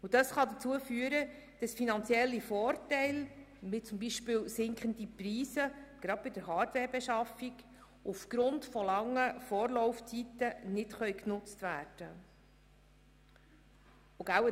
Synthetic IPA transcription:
ud̥ɑsχɑd̪ət͡suəfyəɾə | d̥ɑsfinɑnt͡sjɛlːifɔːɾtɛɪl | mɪt͡sʊmbiʃpɪːwsɪŋkχəndipriːsəɡ̥ɾɑd̥̚bɪdəɾɦɑːtʋɛːɾbɛʃɑfik | ufɡ̥ɾʊntfɔlɑŋːəfɔːɾlɔwft͡sitənɪtχœjknʊt͡stvæːɾd̥ə | uɡæwə

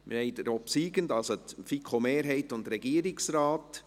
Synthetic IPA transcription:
mʔɪ̰ɾhɛɪdəɾɔpsiːɡəndɑlsotfikʰomeːɾɦɛɪtʊnt̪ɾɛɡiːəɾɪksɾaːt

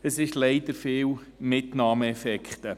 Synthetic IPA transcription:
əsɪʃlɛɪd̥̪əɾfiːwmɪtnɑːməɛfɛkχt̪ə

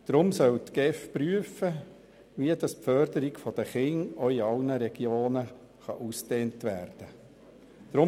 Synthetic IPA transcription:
d̥ɾʊmsœltɡɛfpryəfə | ʋiəd̥ɑspfœɾdəɾɪɡfɔd̥əχɪŋoiɑlnəɾɛɡ̥joːnə | χɑ̰ʔusteːntʋæːɾd̥ə | d̥ɾʊ

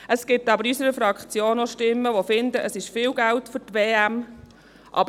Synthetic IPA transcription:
ʔəskɪtːɑbəɾysəɾəfɾɑkχt͡sjoːnoʃtɪmːəʋofɪnd̪əʔəsɪʃfɪːlɡæltfʏtʋeːæm | ʔɑ̰b

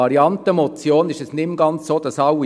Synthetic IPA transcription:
ɑɾiɑntəmot͡sjoːnɪʃɛsnɪmɡ̥ɑnt͡ssoːd̥̪ɑsɑʊwi

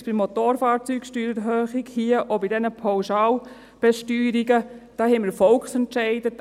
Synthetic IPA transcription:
b̥imːot̪oːɾfaːɾt͡syːkʃtyːɾəɾɦøːχiɡhiəʔobidɛnəpʰawʃaːl | b̥ɛʃtyːɾiɡəd̥ɑːhɛməfɔlksɛntʃɛɪdə

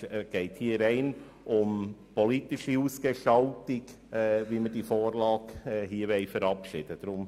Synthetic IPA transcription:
ɡ̥ɛɪthiːəɾɛɪn | ʔʊmpɔlitɪʃiuːsɡ̥ɛʃɑltɪk | ɛʋiːmədifoːɾlɑːɡɛɦiːəʋɛɪfəɾɑpʃɪːd̥əd̥ɾʊm

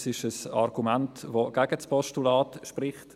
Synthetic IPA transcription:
sɪʃəsa̰ɾɡumɛntvoɡ̥ɛɡəspɔʃtulaːtʃprɪχt

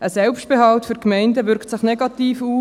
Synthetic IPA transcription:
əsɛlpʃt̚b̥eɦɑltfyɾkmɛɪndəʋʏɾktsɪχnɛɡɑt̪iːfuː

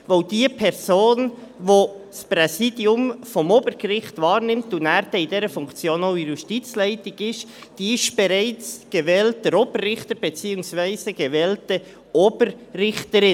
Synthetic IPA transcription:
voʊd̥iːəpʰɛɾzoːnvospʁɛsiːdiʊmfɔmoːbəɾɡ̥əɾɪχtvɑːɾnɪmtʊnæːɾd̥ɛɪdɛːɾəfʊŋkt͡sjoːnoʊijuʃtit͡slæɪtɪɡɪʃ | d̥iːɪʃb̥eɾaɪt͡sɡ̥evɛːlt̚dəɾoːbərrɪχtəɾb̥et͡siːʊŋsvæɪzəɡ̥evɛːltə | oːbərrɪχtəɾɪn

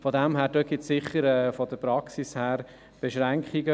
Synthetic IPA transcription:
fɔd̪æmɦæːɾdøɡ̥ɪt̪sɪχːəɾɛːfɔd̪əpɾɑksishæːɾ | b̥eʃɾæŋkχiɡə

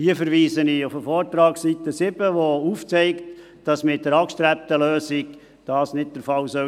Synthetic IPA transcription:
hiəfəɾʋiːsənɪufəfɔːrtɾɑːksit̪əsɪb̥əʋouft͡sɛɪkt | d̥ɑsmɪt̚d̥əɾɑkʃtɾæp̚təløːsɪk | d̥ɑːsnɪt̚d̥əɾfɑlsœ

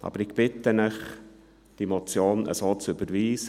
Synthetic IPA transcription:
ʔɑ̰b̥əɾɪɡ̥b̥ɪt̪ənəχ | d̥iɛmot͡sjoːnə̰soːt͡sʏbəɾʋiːs

